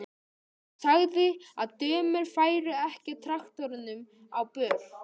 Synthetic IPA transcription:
saɣðɪaðt̪œːmɪɾ̥faːjɾʏɛhcɪt̪ʰɾaxt̪ɔɾɪnːʏm | awpœːv

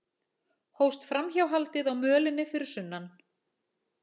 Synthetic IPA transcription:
howst̪fɾamçawɦalt̪ɪðawmœːlɪnːɪfɪɾɪɾ̥sʏnːan

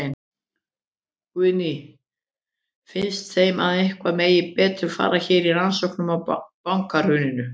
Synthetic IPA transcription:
n | kvʏni | fɪnst̪θejmaðɪhkvameːjɪpɛːt̪ɾʏfa̰ːɾaçɛːɾiɾansɔwhknʏmawpawŋkaɾ̥hʏːnɪnʏ

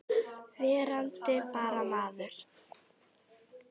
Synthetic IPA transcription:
vɛːɾant̪ɪpaːɾamaːðʏɾ̥

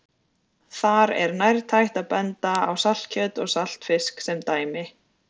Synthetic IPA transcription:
θaɾɛ̰ɾnajɾt̪ʰajht̪aðpɛnt̪aawsal̥t̪̚cʰœːt̪ɔɣsal̥t̪fɪsksɛmt̪aːjmɪ

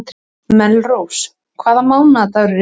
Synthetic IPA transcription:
t̪ | mɛlrows | kʰvaːðamaːwnat̪aɾɾ

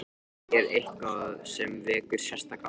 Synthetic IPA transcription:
ɛɾehkaðsɛmvɛːkʏɾ̥sjɛst̪aka

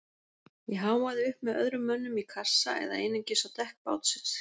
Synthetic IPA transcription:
jɛɦaːwaðɪʏhpmɛðœ̰ðɾʏmːœnːʏmikʰasːa̰ɛ̰ða̰ejnɪmcɪsat̪ʰɛhk̚pa̰ːwt̪sɪ̥t̪

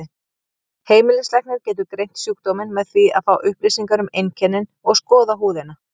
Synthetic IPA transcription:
heːjmɪlɪslɛjhknɪɾcɛːt̪̬ʏɾkɾejn̥t̪sjuːk̚t̪omɪnmɛðθvia̰ðfawʔʏhplisiŋkaɾʏmejncʰɛnːɪnɔɣskɔːðaɦuːðɪna

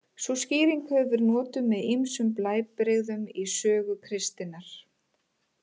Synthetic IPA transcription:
susciːɾiŋkhœvʏɾnɔːt̪ʏmːɛðimsʏmplaːjpɾeɣðʏmisœːɣʏpʰɾɪst̪ɪnaɾ̥

